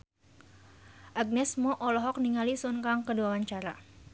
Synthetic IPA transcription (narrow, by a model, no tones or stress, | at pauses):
ʔaɡ̚nɛsmɔʔɔlɔɦɔk̚niŋalisunkaŋkəduawaɲt͡ʃaɾa